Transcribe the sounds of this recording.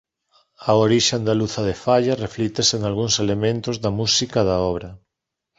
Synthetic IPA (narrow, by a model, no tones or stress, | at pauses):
aoɾiʃend̪aluθɐðefaʎareflit̪eseŋalɣ̞uŋselemẽnt̪ozðɐmusikaðaɔβ̞ɾɐ